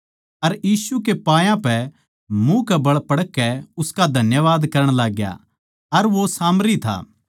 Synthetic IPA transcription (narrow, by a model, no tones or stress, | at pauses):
ɐɾjiːsukepaːjãpɛ | mũkɛbɐɭpɐɽkːɛʊskad̪ʱɐnjəʋaːd̪kɐɾəɽ̃laːɡja̰ | ɐɾʋosaːmɾit̪ʰa̰ː